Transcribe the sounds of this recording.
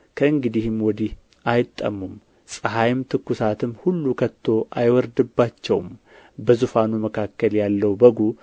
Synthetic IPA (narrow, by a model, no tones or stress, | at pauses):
kʰəɨŋɡɨd̪ihɨmwɔd̪ih | ʔajɪt̪ʼːə̰mum | sʼəɦajmt̪ʰɨkːusat̪ʰɨmːhulːukʰət̪ʰːo̞ʔajwɔɾd̪ɨbːat͡ʃːɛwm | bəzufanuməkʰakːəljalːəwbəɡu